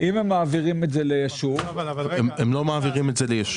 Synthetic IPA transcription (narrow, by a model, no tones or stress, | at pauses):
ʔimemːaːviʁimetzelejaʃuv | emlo̞maːviʁimetzelejaʃ